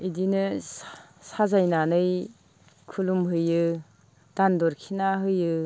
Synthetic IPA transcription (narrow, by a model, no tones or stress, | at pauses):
idinɯ | sazajnanɯj | kʰulumɦɯjɯ | d̥andɔɾkʰinaɦɯjɯ